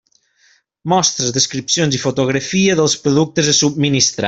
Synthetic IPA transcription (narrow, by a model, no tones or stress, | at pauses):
mɔst̪ɾəzðəskɾipsjonzifut̪uɣ̞ɾəfiəðəlˠspɾuðuk̚t̪əzəsub̚minist̪ɾa